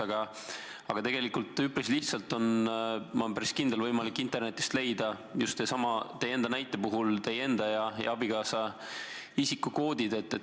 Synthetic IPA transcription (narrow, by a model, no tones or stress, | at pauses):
ɑɡ̥ɑ | ɑɡ̥ɑt̪e̞ɡ̥e̞likːult̪ːˑypːɾisliht̪sɑlt̪ːˑo̞nmɑmpæɾiskind̪elvɤjmɑlikːˑint̪ˑerne̞t̪ːˑi̥st̪le̞jd̪̥ɑ | just̪ːesɑmɑt̪e̞je̞nd̪ɑnæjt̪ːˑe̞puɦult̪e̞je̞nd̪̥ɑjɑjɑ̰ɑbikɑːsɑ | isikːuko̞ːd̪id̪e̞t̪ːˑe